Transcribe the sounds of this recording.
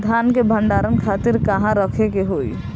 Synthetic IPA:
d̪ʱankebʱəɳɖaɾənkʰat̪iɾkəɦãɾəkʰekeɦoj

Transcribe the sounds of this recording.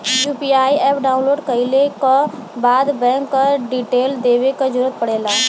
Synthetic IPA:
juːpiaːiɛːpɖaːʊ̃nloːɖkəɪlekabaːd̪bɛ̃ːŋkːəɖiʈeːld̪eːʋekəd͡ʒʊɾət̪̚pəɽeːlaː

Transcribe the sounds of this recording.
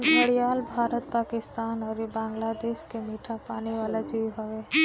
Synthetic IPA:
ɦɐɽijaːlbʱaːɾət̪̚paːkɪst̪aːnɔːɾjebãːŋɡlad̪eːʃkemiːʈʰapaːniʋaːlad͡ʒiːʋɦɐʋeː

